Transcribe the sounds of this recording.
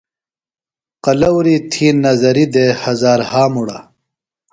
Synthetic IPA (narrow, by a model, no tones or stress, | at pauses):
qɐlɐwɾiːt̪ʰiːnːɐzɐɾid̪ehɐzaːɾhaːmuɽa̰